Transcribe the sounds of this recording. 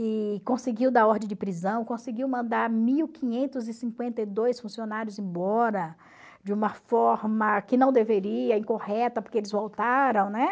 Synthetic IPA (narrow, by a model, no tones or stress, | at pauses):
ɪkõsɪɡiwd̪aɔɾd̪ẽj̃d͡ʒɪpɾizɐ̃w̃kõsɪɡiwmɐ̃nd̪aɾmiwkʰĩɲẽnt̪ʊzɪsĩŋkwẽnt̪ɐjd̪ojsfũsionaɾjʊzẽbɔɾɐ | d͡ʒɪũmɐfɔɾmɐkɪnɐ̃w̃d̪eveɾiɐĩkohɛt̪ɐpoɾkeelɪzvowt̪aɾɐ̃w̃nɛ